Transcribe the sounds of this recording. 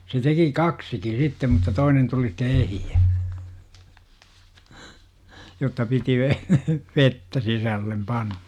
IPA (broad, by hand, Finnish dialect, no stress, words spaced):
se teki kɑksiki sitːem mutːɑ toinen tuli ste ehijæ jotːɑ piti ʋe ʋetːæ sisælːem pɑnn̥ɑ̥